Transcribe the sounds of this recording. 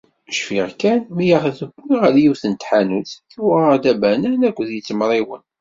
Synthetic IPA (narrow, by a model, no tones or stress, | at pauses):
ʃfiʁkænmijaʁðəɡʷːiʁəljiwθənt̪ħanusækːuwəʁad̪æbænænækʷːðjit͡sːəmɾˤiwən